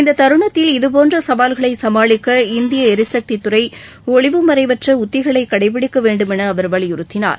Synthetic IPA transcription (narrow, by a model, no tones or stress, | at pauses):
ɪnd̪ɐt̪ɐɾɯɳɐt̪ːɪlɪðɯp̬oːndrɐsɐʋaːlɣɐɭɐɪsɐmaːɭɪkːɐɪnd̪ɪjɐɛɾɪsɐk̚t̪it̪ːɯrɐɪ | ɔɭɪʋɯmɐɾɐɪʋɐʈrɐʊt̪ːɪɣɐɭɐɪkːɐɽɐɪpːɪɽɪkːɐʋeːɳɖɯmɛnɐːʋɐɾʋɐɭɪjʊɾɯt̪ːɪna̰ːɾ